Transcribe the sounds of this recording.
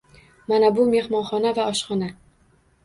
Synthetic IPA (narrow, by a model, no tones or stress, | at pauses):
manabʊme̞hmɒnχɒnavaɒʃχɒna